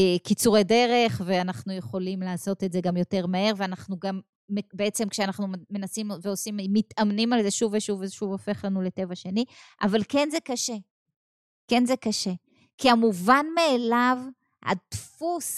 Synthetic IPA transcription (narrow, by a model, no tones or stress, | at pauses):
kit͡suʁejde̞ʁe̞χve̞anaχnujeχo̞limlaːso̞tetze̞ɡamjo̞te̞ʁmee̞ʁveanaχnuɡamː | beet͡se̞mkʃeanaχnume̞nasimveo̞simmːitamnimalzeʃuveʃuveʃuvofe̞χlanule̞te̞vaʃe̞niʔavalke̞nze̞kaʃe̞ | ke̞nzekaʃe̞ | kiamuvanmeːlav | ha̰tfus